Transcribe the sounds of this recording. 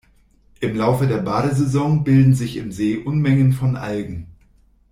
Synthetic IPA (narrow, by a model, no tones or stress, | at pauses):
ʔɪmlaʊfədeːɐbaːɾəzezɔŋbɪldn̩zɪçɪmzeːʔʊnmɛŋənfɔnʔa̰lɡŋ̩